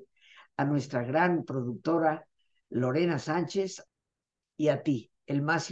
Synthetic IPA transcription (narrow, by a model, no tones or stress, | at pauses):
anwe̞st̪ɾaɣɾampɾo̞ðuk̚t̪o̞ɾa | lo̞ɾe̞nasant͡ʃes | iat̪i | elmas